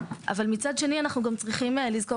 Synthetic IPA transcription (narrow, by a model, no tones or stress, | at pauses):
ʔa̰valmit͡sad̪ʃe̞nianaχnuɡamt͡sʁiχimelizko